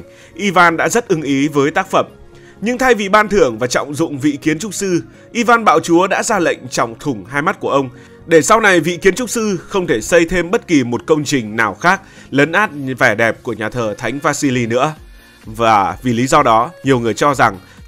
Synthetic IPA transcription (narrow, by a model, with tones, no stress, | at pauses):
ʔi˧vaː˧nɗa̰ː˧˥zə˦˥t̚ʔɨ˨˦ŋʔi˨˦vəː˨˦jt̪aː˦˥k̚fə˧˩m | ɲɨ˧ŋt̪ʰa˧jvi˨˩ɓaː˧nt̪ʰɨ˧˩əŋvaː˨˩t͡ɕɔ̰˧˨wŋ͡mzʊ̰˧˨ŋ͡mvḭ˧˨ki˨˦ənt͡ɕʊ˦˥k͡p̚sɨ˧ | ʔi˧vaː˧nɓa̰ː˧˨wt͡ɕu˨˦əɗa̰ː˧˥zaː˧lə̰˧˨jŋ̟t͡ɕɔ̰˧˨wŋ͡mt̪ʰʊ˨˧˩ŋ͡mɦaː˧jma˦˥t̚ku˧˩əʔə˧wŋ͡m | ɗe˧˩sa˧wna˨˩jvḭ˧˨ki˨˦ənt͡ɕʊ˦˥k͡p̚sɨ˧xə˧wŋ͡mt̪ʰe˧˩sə˧jt̪ʰe˧mɓə˦˥t̚ki˨˩mo˨˩t̚kə˧wŋ͡mt͡ɕï˨˩ŋ̟naː˨˩wxaː˦˥k̚ | lə˨˦nʔaː˦˥t̚vɛ˧˩ɗɛ˨˩p̚ku˧˩əɲaː˨˩t̪ʰəː˨˩t̪ʰa˨˦jŋ̟vaː˧si˧li˧nɨ̰˧˥ə | vaː˨˩vi˨˩li˨˦zɔ˧ɗɔ˨˦ɲi˨˩əwŋɨ˨˩əjt͡ɕɔ˧za˨˩ŋ